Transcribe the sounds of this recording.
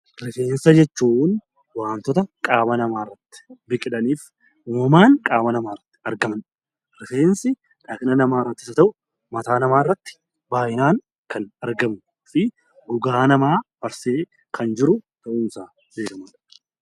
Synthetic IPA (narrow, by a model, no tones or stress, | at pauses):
ɾɪfe̞ːnsɐd͡ʒɛt͡ʃːuːn | waːnt̪ɔt̪ɐkʼaːmɐnɐmaːrːɐt̪ːɪ̥bɪkʼɪᶑɐniːf | umɐmaːŋkʼaːmɐnɐmaːrːɐt̪ːɪ̥ɐɾɡɐmɐn | ɾɪfeːnsɪ | ᶑɐknɐnɐmaːɾɐt̪ːɪ̥sɐt̪ɐʔʊ | mɐt̪aːnɐmaːrːɐt̪ːɪ̥ | baːjɪnaːn | kɐnɐɾɡɐm | fɪ | ʔʊɡaːnɐmaːbɐɾseː | kʰɐnd͡ʒɪɾʊt̪ɐʔuːnɪsaː | beːkɐmaːɐ